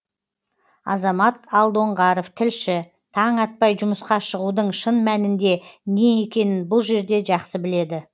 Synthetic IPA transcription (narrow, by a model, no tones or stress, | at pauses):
ɑ̰zɑmɑt̪ɑlˠd̪o̞ɴʁɑɾoft̪ʰɪlʃɪ | t̪ʰɑɴɑt̪̚pɑjʒʊməsqɑʃəʁud̪əɴʃənmænɪnd̪e̞nee̞kʲe̞nɪnbʊlˠʒe̞ɾd̪e̞ʒɑqsəbɪle̞d̪ɪ